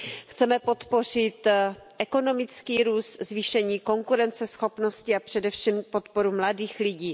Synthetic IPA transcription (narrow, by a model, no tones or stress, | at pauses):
xt͡sɛmɛpo̞t̪po̞r̝ɪt̪ʔɛko̞no̞mɪt͡skiːɾuːst̪zviːʃɛɲiːko̞ŋkuɾɛnt͡sɛsxo̞pno̞scɪapr̝̥ɛdɛfʃiːmpo̞t̪po̞ɾumladiːxlɪɟiː